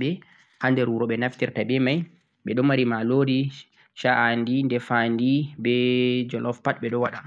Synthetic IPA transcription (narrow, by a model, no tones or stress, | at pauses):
ɓɛ | handɛɾwuɾɔɓɛnaftiɾtabɛmaj | ɓɛɗɔmaɾimalodi | ʃaʔandindɛfandibɛd͡ʒɔlʔɔfpat̚ɓɛɗɔwaɗan